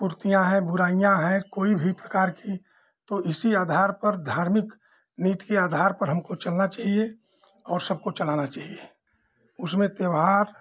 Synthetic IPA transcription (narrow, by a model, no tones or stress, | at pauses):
puɾt̪ijãɦɛ̃bʊɾaːijãɦɛ̃koːibʱipɾəkaːɾki | t̪oʔɪsiaːd̪ʱaːɾpəɾd̪ʱaːɾmɪk | niːt̪keaːd̪ʱaːɾpəɾɦəmkot͡ʃɐlnat͡ʃaːɦie | ɔːɾsɐb̚kot͡ʃəlaːnat͡ʃaːɦie | ʊsmẽt̪jəʋɦaːɾ